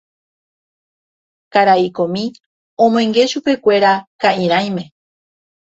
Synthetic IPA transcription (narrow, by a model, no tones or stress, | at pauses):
kaɾaikõmĩ | õmoẽŋɡe̞ʃupe̞kʷe̞ɾakaĩɾ̃ãj̃mẽ̞